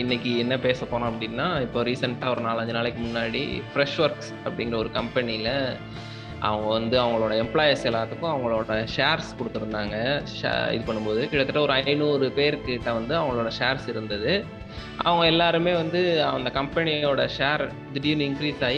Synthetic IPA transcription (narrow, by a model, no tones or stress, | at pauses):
ɪnːɛkʲːɯɛnːɐpeːsɐpːoːnʊ̃ːɐpːɐɽɪnːaːɪpːoːɾiːsɐɳʈaːɔɾɯnaːɭɐɲd͡ʒɯnaːɭɛkːɯmʊnːaːɽḭfɾɛʂʋɐɾks | ɐpːɐɽɪŋɡɪɾɐɔɾɯkɐmpɛnɪɪlɐ | ʔɐ̰ʋɐŋɡɐʋɐnd̪ɯɐʋɐŋɡɐɭoːɽɐɛmpɭaːjɐsɛlːaːt̪ːɯkːʊ̃ɐʋɐŋɡɐɭoːɽɐʂeːɾskɔɽɯt̪ːɯɾɯnd̪aːŋɡɐ̰ | ɪ̰ðɯpɐɳːɯmpoːðɯkɪɽɐt̪ːɯʈːɐɔɾɯɐɪnuːɾɯpeːɾkːɯt̪ːãːʋɐnd̪ɯɐʋɐŋɡɐɭoːɽɐʂeːɾsɪɾɯnd̪ɐðɯ | ʔɐ̰ʋɐŋɡɐɛlːaːɾɯmeːʋɐnd̪ɯɐɐnd̪ɐkɐmpɛnɪoːɽɐʂeːɾ | d̪ɪɖinɪŋkɾiːsaːji